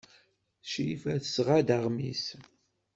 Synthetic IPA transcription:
ʃifæθəsʁad̪aʁmis

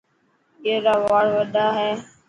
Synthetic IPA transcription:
keːɾaːʋaːɽʋəɗaːɦɛː

